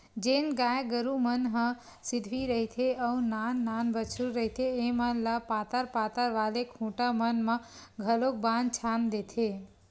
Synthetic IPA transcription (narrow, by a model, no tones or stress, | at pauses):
d͡ʒenɡajɡəɾumənɦə̃ | sid̪ʱʋiɾəɦit̪ʰeəunanːanbət͡ʃʰuɾəɦit̪ʰeːmənlapat̪əɾpat̪əɾʋalekʰũʈamənməɡʱəlok̚bant͡ʃʰand̪et̪ʰe